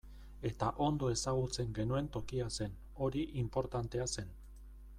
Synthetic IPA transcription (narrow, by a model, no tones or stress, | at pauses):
e̞t̪aʔo̞nd̪o̞e̞saɣ̞ut͡se̞ŋɡe̞nue̞nt̪o̞kiase̞n | o̞ɾiʔimpo̞ɾt̪ant̪e̞ase̞n